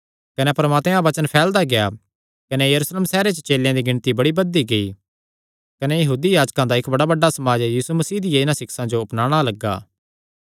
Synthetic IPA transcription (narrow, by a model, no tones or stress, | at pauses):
kɐnepɐɾɐmaːt̪mãbɐt͡ʃənpʰɛːld̪aɡeja | kɐnejɐɾuːsleːmsɛːɾet͡ʃət͡ʃeːljãd̪iɡɪ̃ɽ̃t̪ibɐɽibɐd̪ːiɡɐi | kɐnejɐɦuːd̪ijaːd͡ʒkãd̪aɪkbɐɽabɐɖːasɐmaːd͡ʒjiːsumɐsiːd̪ɪjaɪnãsɪksãd͡ʒoʊpnaːɽ̃alɐɡːa̰ː